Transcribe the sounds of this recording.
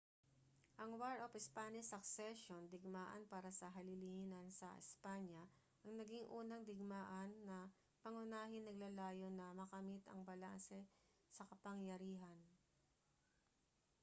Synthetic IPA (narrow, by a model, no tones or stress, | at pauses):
ʔɐŋwaɹopɪspanɪsɐksɛʃond̪ɪɡmaːʔɐ̰npaːɾɐsɐɦɐlɪlihɪnɐnsɐ̰ʔɪ̰spaɲjɐ | ʔɐŋnɐɡiŋʔuːnɐŋd̪ɪɡ̚maːʔɐnːɐ | pɐŋʊnaːɦɪnːɐɡ̚lɐlaːjo̞nɐmɐkɐmɪt̪ɐ̰ŋbɐla̰nsɛ | sɐkɐpɐŋjɐɾiːɦɐn